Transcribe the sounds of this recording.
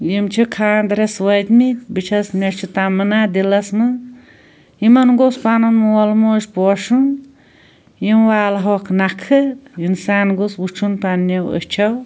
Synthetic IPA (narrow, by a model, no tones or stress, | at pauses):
jimt͡ʃʰikʰaːnd̪ɾeswɐjd̪mibit͡ʃʰɐsmʲɐt͡ʃʰut̪amɨnad̪ilɐsmɨ | jimɐnɡospanɐnmwɔlmoːʃʲpɔːʃun | jimwaːlɦɔkʰnakʰɨjinsaːnɡosbut͡ʃʰunpɐnːɐwə̰t͡ʃʰɐw